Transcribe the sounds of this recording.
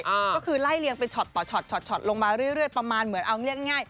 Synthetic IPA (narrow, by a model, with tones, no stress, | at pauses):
kɔː˥˩kʰɯː˧la˥˩jli˧əŋpa˧jt͡ɕʰɔ˨˩t̪ːɔː˨˩t͡ɕʰɔ˨˩t̪̚t͡ɕʰɔ˨˩t̪̚t͡ɕʰɔ˨˩t̪̚lo˧ŋmaː˧ɾɯ˥˩əjɾɯ˥˩əjpɾa˧maː˧nmɯ˨˩˦ənʔa˧wŋi˥˩ək̚ŋa˥˩jŋaː˥˩j